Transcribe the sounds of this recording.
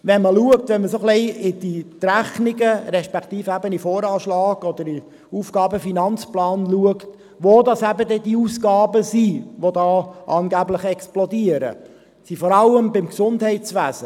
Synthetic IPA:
ʋɛnməluəktʋɛnməsoχlɛɪɪd̥it̪ɾæχniɡəɾɛʃpɛkʰt̪iːfæbənifoːɾɑːʃlɑːɡ̥ɔd̪əɾi | ufɡ̥ɑːbəfinɑnt͡splɑːnluəkt | ʋodɑsæbəd̪ɛd̥iusɡ̥ɑːbəsiʋod̪ɑːʔɑːnɡæblɪχɛksplɔdiəɾə̰ | sifɔɾɑlːəmbɪmksʊndhɛɪtt͡sʋæːzə

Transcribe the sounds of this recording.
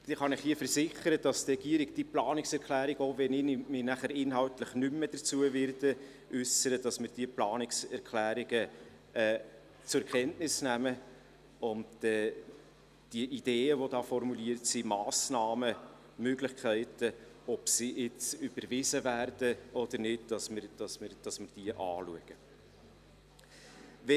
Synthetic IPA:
d̥iχɑnɪχhiːəfəɾzɪχəɾədɑst̪rɛɡ̥iəɾɪɡd̥iplɑːnɪksɛɾkʰlæːɾɪɡoːvɛnɪnmɪnæχəɾɪnɦɑltləχnʏməd̥ət͡suəvɪɾdə | ʔʏsəɾədɑsmɪːɾd̥iəplɑːnɪksɛɾkʰlæːɾiɡə | ɛː | t͡sʊɛkʰɛntnɪsnæmə | ʊndɛː | d̥iəʔid̥eːəvodɑːfɔrmuliəɾtsimɑːsnɑːmə | møɡlɪχkʰæɪtə | ɔpsiʔɪt͡syb̥əɾvɪzəvæːrd̥əɔd̥̪əɾnɪd̚d̥ɑsməd̥ɑsmɪɾd̥ɑsmɪɾd̥iəʔɑːluəɡ̥ə | vɛ

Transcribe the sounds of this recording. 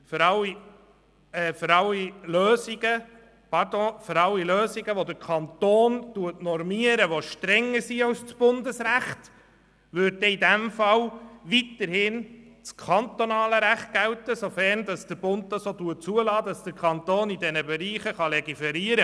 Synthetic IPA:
fɾɑli | ɛːfəɾɑliløːsiɡə | pɑɾdõːføɾɑlːiløːsiɡəʋod̪əɾkʰɑnt̪oːntuətnɔɾmiəɾəʋoʃtɾɛŋːəɾsiɑwst͡sb̥ʊnd̪əsɾæχt | ʋʏɾt̚dɛidæmfɑlʋit̪əɾhɪn | t͡skʰɑnt̪onɑːləɾæχt̚ɡ̥æwtəsofæɾndɑsd̥əɾb̥ʊnt̪t̪ɑsoːtuət̚t͡suəlɑːdɑsd̥̪əɾkʰɑnt̪oːnidɛnəbɛɾiːχəχɑlɛɡifɛɾiəɾə

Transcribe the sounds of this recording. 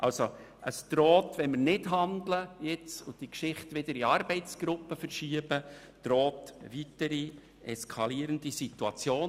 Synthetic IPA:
ʔɑlso | ʔəsd̪̥ɾɔːt̪ʋɛnmɪɾnɪdɦɑnd̪ləjɪt͡sʊ̰d̥ikʃɪχtʋɪd̪əɾiɑɾbɛɪt͡sɡ̥ɾʊpːəfəɾʃiəb̥ə | d̪̥ɾoːtvitəɾi | ɛskʰɑliːɾəndisituɑt͡sjoːn

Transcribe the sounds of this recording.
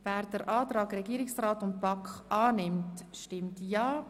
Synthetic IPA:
vɛːɾd̥əɾʔaːtrɑːɡɾɛɡiəɾɪksraːtʊnt̚b̥ɑkχʔɑːnɪmtʃtɪmtjɑː

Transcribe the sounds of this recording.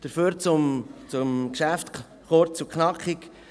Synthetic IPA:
d̥əɾfyːɾt͡sʊmt͡sʊmkʃæft | χoɾt͡suknɑkχɪk

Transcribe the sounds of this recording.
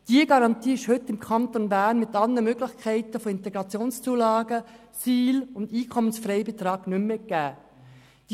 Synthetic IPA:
d̥iəɡɑɾɑnt̪iːɪʃhʏtːɪmkʰɑnt̪onbæːnmɪt̪ɑləmøɡlɪxkʰɛɪt̪əfoɪnt̪ɛɡ̥ɾɑt͡sjoːnst͡suːlɑːɡə | siːlʊndiːkʰɔmənsfɾɛɪbet̪ɾɑːɡnʏmːeɡ̥æː | d̥

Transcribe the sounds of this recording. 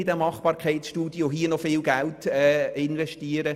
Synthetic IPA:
ɪd̥ɛmɑχb̥ɑːɾkʰɛɪtsʃtuːd̥joɦiənɔfɪːlɡæltɛɪnvɛʃtiəɾə

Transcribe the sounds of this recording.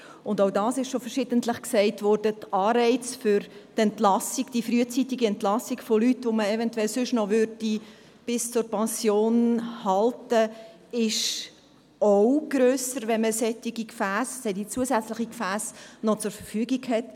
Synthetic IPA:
ʊndodɑːsɪʃʃofərʃɪd̥əntləχksɛɪtʋɔːrd̥ətɑːɾɛɪt͡sfʏɾtɛntlɑsiɡ̥d̥ifɾyət͡sitiɡiɛntlɑsiɡfolytʋoməɛvɛntwɛlsʏʃnɔʋʏɾd̥i | b̥ɪst͡sʊrpɛnsjoːnhɑltə | ɪʃ | owɡ̥ɾøːsəɾʋɛnməsɛtiɡikfæːssɛdit͡suəsæt͡sləχikfæːsnɔt͡sʊɾfərfyːɡiɡhɛt

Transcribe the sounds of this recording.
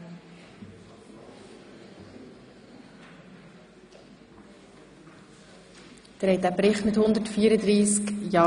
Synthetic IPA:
d̪̥əɾhɛdæpɾɪχt̪mɪt̪hʊnd̪ətfiːəɾəd̪ɾiːskjɑː

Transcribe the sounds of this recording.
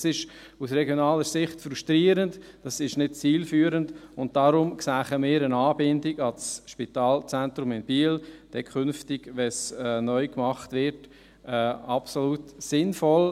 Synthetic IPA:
sɪʃ | usrɛɡjonɑːləsɪχtfɾuʃtɾiːəɾəntd̥ɑsɪʃnɪt̚t͡siːlfyːɾəndʊnt̚d̥aɾʊmksæːχəmɪːɾənaːbɪndɪɡɑlsʃpitaːlt͡sæntɾʊmɪnb̥iːld̥ɛkʰʏnftɪɡ̥ʋɛsɛnœʏkmɑχtvɪɾt | ɛɑpsoluːtsɪnfɔl

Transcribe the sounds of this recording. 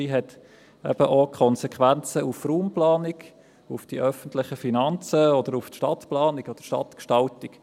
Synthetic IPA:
iːɦɛt | ɛb̥əʔokʰχɔnsɛkχʋænt͡səufruːmplɑːnɪɡ | ufd̥iʔœfəntlɪχəfinɑnt͡səɔd̪əɾuftʃtɑtplɑːnɪɡɔd̪̥əʃtɑ̰tkʃtɑltɪk

